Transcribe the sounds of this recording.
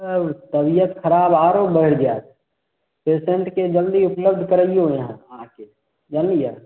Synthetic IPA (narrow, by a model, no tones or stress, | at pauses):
əbt̪əbijət̪kʰəɾaːbaːɾobəɦɪɽd͡ʒaːt̪ | peːseɳʈked͡ʒəld̪iʊpləb̚d̪ʱkəɾəiõjəɦããke | d͡ʒaːnija